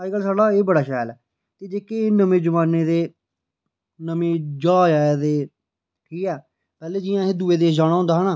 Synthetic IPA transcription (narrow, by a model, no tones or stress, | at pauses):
aːɡəlsaːɽaːeːbəɽaːʃɛːlɛː | t̪eːd͡ʒeːkeːnəmẽːd͡ʒəmaːneːd̪eː | nəmẽːd͡ʒaːjaːjad̪eː | kiːɛː | pɛːleːd͡ʒijãːẽːd̪uːeːd̪eːd͡ʒaːɽ̃aːõnd̪aːɦnaː